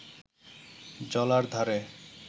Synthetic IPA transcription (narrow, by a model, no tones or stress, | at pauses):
d͡ʑɔlaɾd̪ʱaɾe